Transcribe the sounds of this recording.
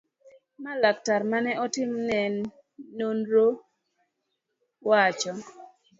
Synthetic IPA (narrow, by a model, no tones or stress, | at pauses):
malak̚taɾmanɛʔɔtɪmnɛnː | onɾo | wat͡ʃɔ